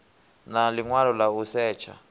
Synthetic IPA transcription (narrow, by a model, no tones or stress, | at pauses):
naliŋwalɔlausɛːt͡ʃʰa̰